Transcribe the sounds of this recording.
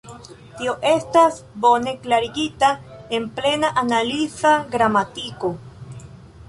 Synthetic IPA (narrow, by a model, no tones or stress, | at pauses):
tio̞ʔe̞stas | bo̞ne̞klaɾiɡitae̞nple̞naʔanalizaɡɾamatiko̞